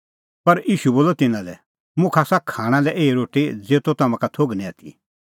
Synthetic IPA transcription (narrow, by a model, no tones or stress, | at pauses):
pɐɾiːʃuboːlɔt̪ɪnãlɛ̰ | mʊ̃kʰaːsakʰːaːɽ̃ãlɛʔeːiɾoːʈid͡zeːt̪ot̪ɐmãkat̪ʰoɡnĩat̪ʰḭ